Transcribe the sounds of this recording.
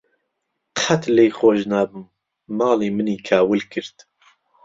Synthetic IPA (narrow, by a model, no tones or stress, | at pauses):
qʰat̪lejxoːʒnaːbɨmː | ɑːleːmɨniːkʰaːwɨlkɨɾt̪